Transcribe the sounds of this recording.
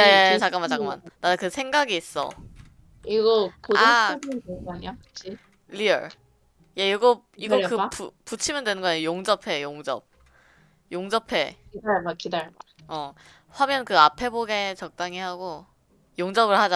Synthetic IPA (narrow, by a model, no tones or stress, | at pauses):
jejet͡ɕak͈ɯmant͡ɕak͈ɯma̰nːanɯkɯsʰe̞ŋɡaɡiːs͈ʌ̰ | iɡʌkoauaat͡ɕi | liʌ̰ɭ | je̞iɡʌ | iɡʌkɯpuput͡ɕʰimɯndwe̞nɯnɡʌejoŋd͡ʑʌpʰe̞joŋd͡ʑʌ̰b̚ | joŋd͡ʑʌpʰe̞kidaɭmakidaɭma | ʌ | ɸwamjʌnkɯapʰe̞boɡe̞t͡ɕʌk̚t͈aŋihaɡo | joŋd͡ʑʌbɯɭhad͡ʑa